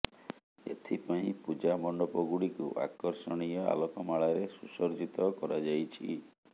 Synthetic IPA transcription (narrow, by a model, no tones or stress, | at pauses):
ḛt̪ʰipaĩpud͡ʒamɔɳɖɔpɔɡuɽikṵʔa̰kɔɾsɔɽ̃ijɔa̰lɔkɔmaɭaɾesusɔɾd͡ʒit̪ɔkɔɾad͡ʒajt͡ʃʰḭ